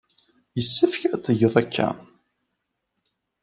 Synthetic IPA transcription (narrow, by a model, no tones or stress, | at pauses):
jəsːəfçæt̪ˤːəʝəðˤækʰːæ̰